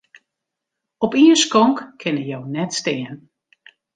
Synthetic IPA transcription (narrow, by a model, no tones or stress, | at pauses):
ɔpiənskɔŋkkʰɪnəjownɛtstɪːən